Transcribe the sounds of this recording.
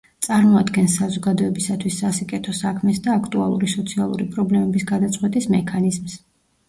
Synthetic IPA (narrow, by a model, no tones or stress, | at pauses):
t̪sʼaɾmɔad̪ɡɛnsazɔɡad̪ɔɛbisat̪ʰwisːasikʼɛt̪ʰɔsakʰmɛsd̪aːkʰt̪ʼua̰lˠṵɾisɔt̪sʰialˠṵɾipʼɾɔblɛmɛbisɡad̪at̪sʼqʼwɛt̪ʼismɛkʰanizms